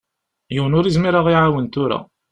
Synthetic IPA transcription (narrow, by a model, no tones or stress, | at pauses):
jəwənʊɾizmiɾaʁiʕawənt̪ʊɾa̰